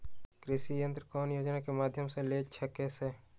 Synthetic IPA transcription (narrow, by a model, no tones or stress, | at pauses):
kɾɪsijə̃nt̪ɾkɔːnjoːd͡ʒnakemaːd̪ʱjəmseleːt͡ʃʰəkese